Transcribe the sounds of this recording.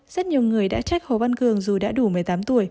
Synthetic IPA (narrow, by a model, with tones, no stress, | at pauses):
z̥ə˦˥t̚ɲi˨˩əwŋɨ˨˩əjɗa̰ː˧˥t͡ɕa˦˥k̚ho˨˩va˧nkɨ˨˩əŋzu˨˩ɗa̰ː˧˥ɗu˧˩mɨ˨˩əjt̪aː˨˦mt̪u˧˩əj